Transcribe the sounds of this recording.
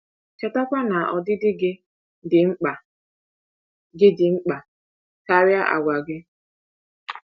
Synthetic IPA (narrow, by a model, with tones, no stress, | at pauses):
t͡ʃa˨ta˦kʷa˦na˨ʔɔ˨dɪ˦dɪ˦ɡɪ˦ | dɪ˨ŋ͡m̩˦a˨ | ɡɪ˦dɪ˨ŋ͡m̩˦k͡pa˨ | ka˦ɾja˦ʔa̰˨ɡʷa˨ɡɪ˦